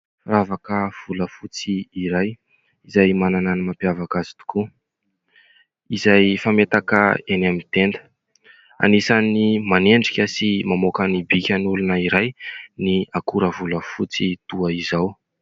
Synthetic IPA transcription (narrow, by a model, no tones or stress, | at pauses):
ravakəv̥uləfut͡siːɾaj | izajmanananimapjavakazi̥t̪u̥ku | izajfamet̪akəenamit̪end̪ə̥ | a̰nisanimaneɳɖ͡ʐikʲəsimamokənibikʲənulunəiɾajniakuɾəvuləfut͡sit̪uaizaw